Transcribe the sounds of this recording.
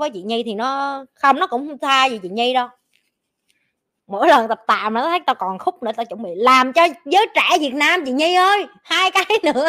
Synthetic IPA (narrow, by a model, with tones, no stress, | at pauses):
vəː˨˦jt͡ɕḭ˧˨ɲi˧t̪ʰi˨˩nɔ˨˦xə˧wŋ͡mnɔ˨˦kʊ̰˧˥wŋ͡mht̪ʰaː˧zi˨˩t͡ɕḭ˧˨ɲi˧ɗɔ˧w | mo̰˧˥jlə˨˩nt̪ə˨˩p̚t̪a̰ː˧˨jma˨˩ɔ˨˦t̪ʰə˨˦jt̪a˧kɔ˨˩nxʊ˦˥k͡p̚nɨ̰˧˩t̪aː˧˩t͡ɕʊ˧˩wŋ͡mɓḭ˧˨laː˨˩mt͡ɕɔ˧zəː˨˦jt͡ɕɛ̰˧˩vi˨˩ət̚naː˧mt͡ɕḭ˧˨ɲi˧ʔəː˧jhaː˧jkaː˨˦jnɨ̰˧˥ə